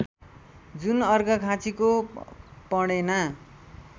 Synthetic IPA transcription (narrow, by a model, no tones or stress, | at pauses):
d͡zunʌrɡʌkʰãt͡siko | pʌɽena